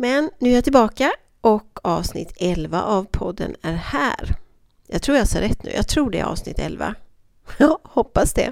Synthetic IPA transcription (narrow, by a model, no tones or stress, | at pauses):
mɛnːʉ̟ɛjat̪ɪlbɑːka | ʔɔkɑːvsnɪ̰t̪ʰːɛlva̰ʔavpʰɔd̪ːənæɾhæːɾ | jɑːɡt̪ʰɾuːjasɛɾɛt̪ːnʉ̟ːjɑɡt̪ʰɾuːɖɛ̰ɾɑ̰ːvsnɪ̰t̪ːɛlva̰ | ɑːhɔpːasd̪ɛ̰